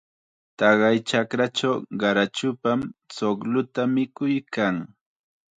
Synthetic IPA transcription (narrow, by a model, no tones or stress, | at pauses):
t̪ɑɢɑjt͡ʃakɾat͡ʃawɢɑɾat͡ʃʊpamsoklʊt̪amɪkʊjkaŋ